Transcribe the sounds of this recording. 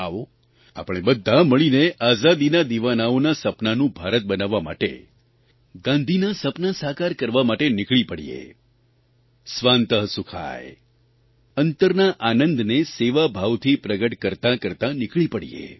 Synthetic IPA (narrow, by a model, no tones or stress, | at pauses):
ao | a̰pɽ̃ebəd̪ʱːaməɭineʔazad̪inad̪iʋanaonasəpnanũbʱaɾət̪̚bənaʋːama̰ʈḛ | ɡãnd̪ʱinasəpnasaɦkaɾkəɾʋamaʈenɪkɭipəɽḭjḛ | sʋant̪əɦsukʰa̰j | ənt̪əɾnaʔanənd̪neseʋabʱaʋt̪ʰipɾəɡəʈkəɾt̪ãkəɾt̪ãnɪkɭipəɽḭjḛ